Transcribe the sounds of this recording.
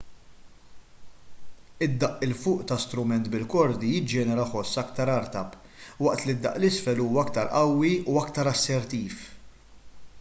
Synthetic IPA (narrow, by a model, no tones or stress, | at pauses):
ɪd̪ːɐʔɪlfʊːʔt̪ɐst̪ɾʊmɛnt̪bɪlkɔɾd̪ijɪd͡ʒɛːnɛɾɐħɔsːɐkt̪ɐɾɐɾt̪ɐp | wɐʔt̪lid̪ːɐ̰ʔlɪsfɛluːwɐɐkt̪ɐɾʔɐwːiuɐkt̪ɐɾɐsːɛɾt̪iːf